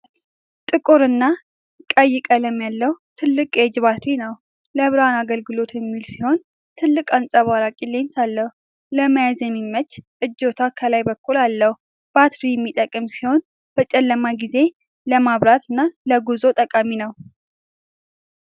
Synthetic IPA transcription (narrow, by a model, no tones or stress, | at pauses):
t̪ʼɨkʼuɾɨnːa | kʼəjːɪkʼələmːjalːəht̪ʰɨlːɨkʼjɛd͡ʒβat̪ʰwinəw | ləβɨɾanaɡəlɡɨlo̞t̪jɛmːilsiho̞n | t̪ʰɨlːɨkʼansʼaβaɾakʼilːensalːəhu | ləmajazjɛmimːət͡ʃːʔɨd͡ʒːo̞t̪ʰakʰəlajbəkːulalːəhu | b̥at̪ɾijɛmːit̪ʼəkʼːɨmsiho̞n | b̥ət͡ʃʼɛlːəmaɡize̞ | ləmaβɾat̪ɨnːaləɡuzo̞t̪ʼəkʼaminəw